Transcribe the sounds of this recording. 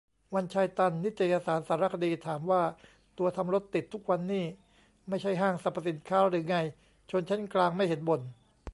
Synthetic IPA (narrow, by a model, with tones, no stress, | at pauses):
wa˧nt͡ɕʰaː˧jt̪a˧nːi˦˥t̪̚t͡ɕa˨˩jaː˧saː˩˦nsaː˩˦ɾa˦˥kʰa˧diː˧t̪ʰaː˩˦mwaː˥˩ | t̪u˧ɐt̪ʰa˧mɾo˦˥t̪ːi˨˩t̪ʰːu˦˥k̚wa˧nːiː˥˩ | ma˥˩jt͡ɕʰa˥˩jɦaː˥˩ŋsa˨˩pʰːa˧˩si˨˩˦nkʰaː˦˥ɾɯː˩˦ŋa˧j | t͡ɕʰo˧nt͡ɕʰe˦˥nklaː˧ŋma˥˩jhe˩˦nbo˨˩n